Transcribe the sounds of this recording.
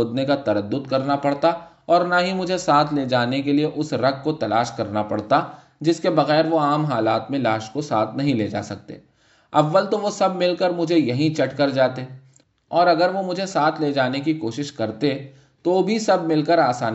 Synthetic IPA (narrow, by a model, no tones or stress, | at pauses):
d̪nekat̪ɐɾəd̪ːʊd̪kɐɾnapɐɽt̪a | ɔːɾnaɦimʊd͡ʒʱesaːt̪ʰled͡ʒaːnekelieʔʊsɾɐɡ̚kot̪ɐlaːʃkɐɾnapɐ̰ɽt̪a | d͡ʒɪskebɐɣɛːɾʋoaːmɦaːlaːt̪mẽlaːʃkosaːt̪ʰnɐɦĩleːd͡ʒa̰ːsɐk̚t̪ḛː | ɐʋːəlt̪oʋosɐbmɪlkəɾmʊd͡ʒʱejɐɦĩt͡ʃɐʈkɐɾd͡ʒaːt̪e | ɔːɾɐɡəɾʋomʊd͡ʒʱesaːt̪ʰled͡ʒaːnekikoːʃɪʃkɐɾt̪e | t̪obʱisɐbmɪlkəɾaːsaː